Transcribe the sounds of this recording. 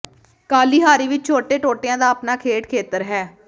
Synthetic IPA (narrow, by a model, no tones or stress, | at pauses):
kaːliːɦaːɾiːʋɪt͡ʃt͡ʃʰoːʈeːʈoːʈeãːd̪aːəpnaːkʰeːʈkʰeːt̪əɾɦɛː